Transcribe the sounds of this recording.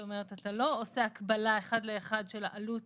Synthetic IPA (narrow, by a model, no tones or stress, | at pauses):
ome̞ʁetatalo̞ose̞akbalae̞χad̪leːχad̪ʃela̰lut